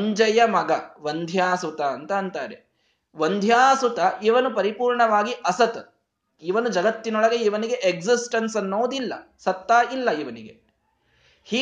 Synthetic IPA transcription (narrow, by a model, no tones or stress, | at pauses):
ɲd͡ʒɐjɐmɐɡɐʋɐnd̪ʱjaːsut̪ɐːnt̪ɐːnt̪aːɾḛ | ʋɐnd̪ʱjaːsut̪ɐʔiʋɐnupɐɾipuːɾɳɐʋaːɡiʔɐsɐt̪ | iʋɐnud͡ʒɐɡɐt̪ːinɔɭɐɡe̞iʋɐniɡeʔeɡsisʈɐnsɐnːoːd̪ilːɐ̰ | sɐt̪ːaːilːɐiʋɐniɡe | hiː